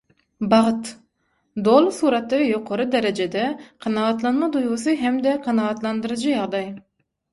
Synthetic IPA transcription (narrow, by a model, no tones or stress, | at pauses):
bɑʁət̪ | d̪olˠsuːɾɑt̪ːɨvjoqʰoɾud̪ɛɾɛd͡ʒɛd̪ɛqʰɑnɑɑt̪lˠɑnmɑd̪ujʁʊsɨɦɛmd̪ɛqʰɑnɑɑt̪lˠɑnd̪ɨɾɨd͡ʒɨjɑʁd̪ɑj